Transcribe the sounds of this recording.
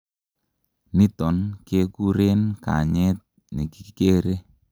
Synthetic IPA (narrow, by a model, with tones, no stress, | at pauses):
ni˦tɔ˨nke˦ku˦ɾe˦nka̰˨ɲɛ˦t̚ | ni˨ki̥˨ke˦ɾe˦